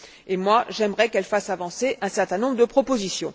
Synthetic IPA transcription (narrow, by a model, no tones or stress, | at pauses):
emwaʒɛmʁɛkɛlfasavɑ̃seʔɛ̃sɛʁt̪ɛ̃nɔ̃bʁəd̪əpχɔpozisjɔ̃